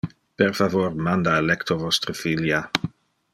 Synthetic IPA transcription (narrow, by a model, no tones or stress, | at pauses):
pɛrfavormand̪aelɛkt̪ovɔst̪ɾəfilja